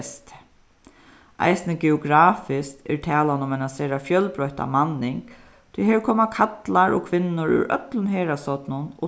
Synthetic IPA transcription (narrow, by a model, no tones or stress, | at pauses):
st̪ | ʔa̰jsnəɡɛʊɡɾaːfɪst̪ɛ̰ɹt̪ʰɛːlanʊmɛnaseːɾafjœlbɾɔht̪a̰manːɪŋk | t̪ʰʊjɦɛːkʰɔːmakʰat̪laɹɔ̰kʰʋɪnːʊɹʉ̰ɾœ̰t̪lʊnɦeːɾasɔt̪nʊnɔ̰